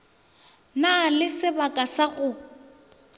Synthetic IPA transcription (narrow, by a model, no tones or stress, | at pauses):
nalɪsɪbakʼasaɣʊ